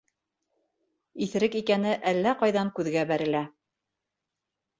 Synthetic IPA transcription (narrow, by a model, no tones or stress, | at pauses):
iθɘ̆ɾɘkikænɘʔælːæqɑjðɑŋkʉðɡæbæɾɘ̆læ